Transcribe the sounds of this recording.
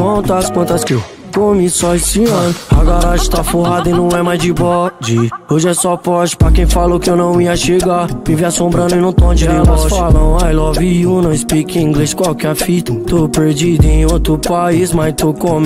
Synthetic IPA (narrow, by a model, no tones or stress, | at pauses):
kɐ̃t̪ɐskwɐ̃t̪ɐskɪew | kõmisɔesɪɐ̃nʊaɡaɾaʒʊɪt̪afoɦad̪ɐinɐ̃w̃ɛmajzd͡ʒɪbɔd͡ʒioʒɪɛsɔpɔʃɪ̥pɾɐkẽj̃falokɪewnɐ̃w̃iɐʃeɡamiviasõmbɾɐ̃nʊɪ̃nɐ̃w̃t̪õd͡ʒid̪ilɔsfalɐ̃najlɔvijunɐ̃w̃spikĩĩɡleskwawkɛɾfit̪ɐt̪opeɾd͡ʒid̪ʊẽj̃ot̪ɾʊpaizmajt̪okõm